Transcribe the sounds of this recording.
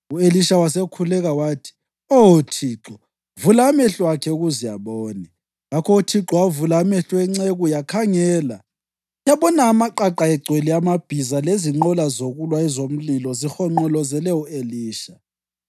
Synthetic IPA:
ueliʃawasekʰulɛɣawaːtʰi̥ | ootʰiːǁɔ | vulamɛɬwakʰɛuɣuzija̰βɔːni | ŋakʰɔutʰiǁɔavulamɛɬwɛŋ͡ǀeɣujakʰaŋɛːla | jaβɔnaːmaǃaǃaɛɡ͡ǀʱweliamab̥ʱizaleziŋ͡ǃɔlazoɣulwaɛzom̩lilɔzixɔŋ͡ǃɔlɔzɛlɛueliːʃa

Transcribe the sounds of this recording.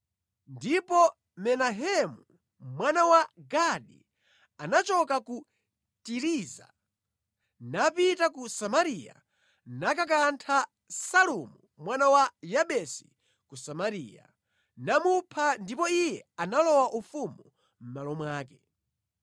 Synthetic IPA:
ndipɔ | mɛnaɦɛmu | mwanawaɡaɗḭ | anat͡ʃɔkaku | tiɾiːza̰ | napitak̬usamaɾija̰ | nak̬ak̬antʰa | salumu | mwanawajaɓɛsi̥ | kusamaɾḭːja̰ | namupʰandipɔijɛanalɔwaʔufumu | m̩malɔmwaːkɛ

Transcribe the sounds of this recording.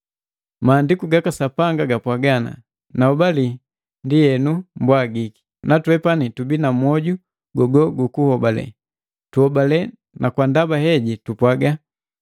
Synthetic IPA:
maːndikuɡakasapaŋɡaɡapwaɡana̰ | naɔbali | ndijɛnumbwaɡiki̥ | natwɛpanitubinamwɔɟu | ɡɔɡɔɡukuhɔbalɛ̰ | tuhɔbalɛ | nʔakwandabahɛɟitupwaɡa

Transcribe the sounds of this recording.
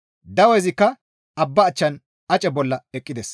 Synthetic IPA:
d̪ɐwɛjzɪkːɐ | ɐbːɐːt͡ʃːɐn | ɐt͡ʃʼɛbɔlːɐɛkʼːɪd̪ɛs

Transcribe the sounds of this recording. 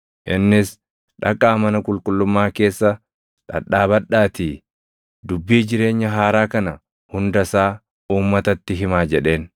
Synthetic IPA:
ʔɪnːɪs | ᶑɐkʼːaːmɐnɐkʼʊlkʼʊlːʊmːaːke̞ːsːɐ | ᶑ̪ʼɐ̰ᶑːaːbɐᶑaːt̪iː | d̪ʊbːiːd͡ʒɪɾe̞ːɲːɐɦaːɾaːkɐnɐ | hʊnd̪ɐsaː | uːmːɐt̪ɐt̪ːɪɦɪmaːd͡ʒɛᶑe̞ːn

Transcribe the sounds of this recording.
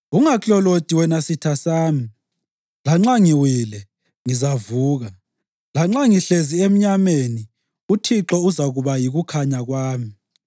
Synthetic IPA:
uŋakʼɔlotʼiwɛnasitʰasaːmi | laŋ͡ǁaŋiwilɛ | ŋizavuːɣa | laŋ͡ǁaŋiɬeziem̩ɲameni | utʰiǁɔuzaɣuβajiɣukʰaɲaɣwaːmi

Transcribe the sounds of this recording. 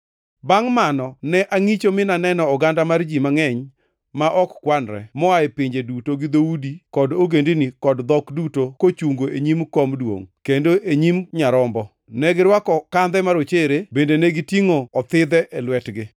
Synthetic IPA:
baŋmanɔnɛʔaŋit͡ʃomɪnanɛnɔɔɡandamard͡ʒimaŋɛɲ | maʔɔkkwanɾɛ̰mɔaepɪɲd͡ʒedutoɡɪd̪oudikɔdoɡendinikɔdd̪ɔkdutokot͡ʃuŋɡoʔeɲimkomdwo̰ŋkendoʔeɲimɲaɾɔmbɔ | nɛɡɪɾwakɔkand̪ɛmaɾot͡ʃeɾebendenɛɡɪtiŋoɔt̪ɪd̪ɛʔɛlwɛtɡɪ

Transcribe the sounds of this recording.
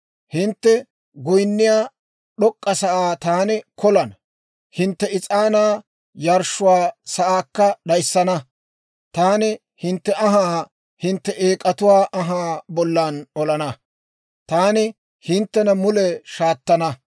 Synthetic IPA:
hɪnt̪ːɛ | ɡɔjnːɪjaː | ɗɔkʼːɐsɐʔaːt̪aːnɪkɔlɐnɐ | hɪnt̪ːɛɪt͡sʼaːnaː | jɐɾʃːʊwaːsɐʔaːkːɐɗɐjsːɐnɐ | t̪aːnɪ | hɪnt̪ːɛʔɐɦaː | hɪnt̪ːɛʔeːkʼːɐt̪ʊwaːʔɐɦaːbɔlːaːnɔlɐnɐ | t̪aːnɪ | hɪnt̪ːɛnɐmʊlɛʃaːt̪ːɐnɐ

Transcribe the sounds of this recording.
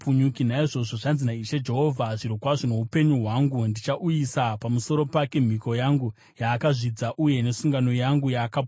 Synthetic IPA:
puɲukin̤aiʐo̞ʐo̞ʐanzinaiʃed͡ʒe̞ɦo̞vʱaʐiɾokwaʐono̞ɦupe̞ɲuɦwaŋɡundit͡ʃaʔujisapamuso̞ɾo̞pake̞m̤iko̞jaŋɡu | jaːkaʐid͡zaʔuje̞ne̞suŋɡano̞jaŋɡujaːka

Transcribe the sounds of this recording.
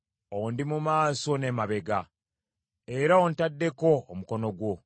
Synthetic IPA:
o̞ndimumaːso̞nemaβe̞ɡa | e̞ɾaontadːe̞ko̞ːmuko̞no̞ɡwo̞

